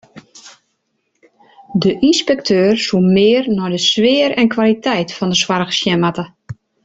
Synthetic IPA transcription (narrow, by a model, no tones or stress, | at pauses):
dəʔinspɛk̚tʰøːrsumɪːərnɔjdəsʋɪːəɾɛnkʰwalitʰɛjtfɔndəswaɾəɣə̥sjɛmatə